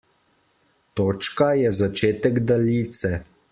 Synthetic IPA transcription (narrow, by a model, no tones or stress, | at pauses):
t̪oːt͡ʃkajɛzat͡ʃeːt̪ɛɡd̪aliːt̪sɛ